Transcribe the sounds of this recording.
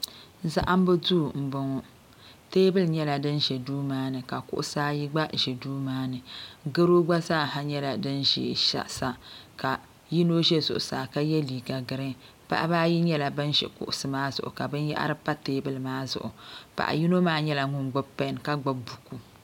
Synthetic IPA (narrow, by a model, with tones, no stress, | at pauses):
za̰˦ʔa˦m˦bɨ˦duː˦˨m̩˨bɔ˨ŋɔ˨ | teː˦bɨ˦lɲɛ˦la˨dɨ˦nʒɛ˨duː˦maː˦nɨ˨ka˨kʊ̰˦ʔʊ˦saː˦ji˦ɡ͡ba˦ʒɛ˨duː˦maː˦nɨ˨ɡɨ˦ɾo˦ɡ͡ba˦saː˦˨ɦa˨ɲɛ˦la˨dɨ˦nʒḛ˨ʃa̰˦sa˦ka˨ | ji˦no˦ʒɛ˦zʊ˨ʔʊ˨saː˨ka˦jɛ˦liː˨ɡa˨ɡɨ˨ɾɨ˦ | pa̰˦ʔa̰˦baː˦ji˦ɲɛ˦la˨bɨ˦nʒɛ̰˨kʊ̰˨ʔʊ˦sɨ˨maː˦zʊ̰˨ʔʊ̰˨ka˨bɨ˦n˦ja̰˦ʔa̰˦ɾɨ˦pa˦teː˦bɨ˦lɨ˨maː˦zʊ̰˨ʔʊ̰˨pa̰˨ʔa̰˨ji˦no˦maː˦ɲɛ˦la˨ŋʊ˦mɡ͡bʊ˦pɛ˦˨˦nka˦ɡ͡ba˦bu˨ku˨